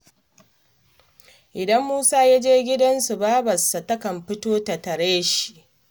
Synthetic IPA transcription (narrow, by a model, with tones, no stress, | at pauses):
ʔɪ˨dɐ˦mːuː˦saː˦ja˦d͡ʒeː˦ɡʲɪ˦dɐ˦nsu˨baː˦bɐ˨sːa˨tɐ˦kɐ˨mɸɪ˦toː˦tɐ˨tɐ˨ɽeː˦ʃi̥˨ʔ